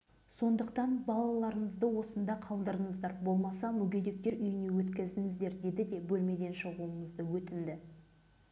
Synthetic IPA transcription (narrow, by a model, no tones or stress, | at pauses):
so̞nd̪əqt̪ɑnbɑlˠɑlˠɑɾəɴəzd̪əwo̞sənd̪ɑqʰɑlˠd̪əɾəɴəzd̪ɑɾbo̞lˠmɑsɑmʏɡʲed̪e̞k̚t̪e̞ɾʏjɪne̞wɵt̪kʲɪzd̪ɪŋɪzd̪e̞ɾd̪e̞d̪ɪd̪e̞bɵlme̞d̪e̞nʃəʁuəɴəzd̪əwɵt̪ɪnd̪ɪ